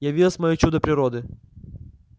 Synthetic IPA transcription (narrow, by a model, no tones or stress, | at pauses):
jɐvʲilˠəsʲmɐjot͡ɕud̪əpɾʲɪɾɔd̪ɨ